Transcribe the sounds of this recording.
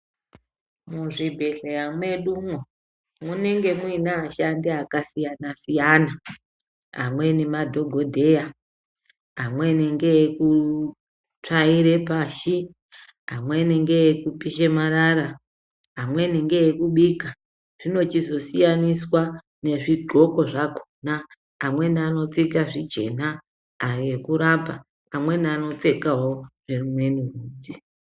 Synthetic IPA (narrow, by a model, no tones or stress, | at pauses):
muʐibʱe̞ɮejamwe̞ɗumwo | mune̞ŋɡe̞mwinaːʃandiakasijanasijana | ɦa̰mwe̞nemadʱo̞ɡʱo̞dʱe̞ja | amwe̞neŋɡe̞ku | t͡ʂaiɾe̞paːʃi | ɦamwe̞neŋɡe̞jekupiʃemaɾaɾa | ɦamwe̞neŋɡe̞ekuɓika | ʐ̥ino̞t͡ʃizo̞sijaniswa | ne̞ʐiɡʱo̞ko̞ʐakʰo̥na | amwe̞niano̞t͡sikaʐid͡ʒe̞na | ekuɾapa | amwe̞niano̞t͡se̞kaɦo̞ʐ̥e̞rumwe̞nuruːd͡zi̥